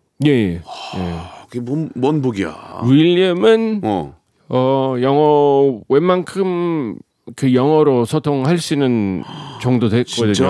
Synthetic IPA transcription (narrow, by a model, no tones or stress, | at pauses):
je̞jejḛɡemʌmwʌnboɡia̰wiʎːʌmɯn | ʌjʌŋʌwe̞mankʰɯm | kɯjʌŋʌɾosʰʌtʰoŋhaɭɕ͈inɯnt͡ɕʌŋdodwe̞k͈ʌdɯɲo